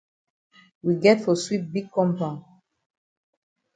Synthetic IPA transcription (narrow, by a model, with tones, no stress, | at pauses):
wiɡɛtfɔ˨swip̚bi˦ɡ̚kɔ̃˦mpã˨n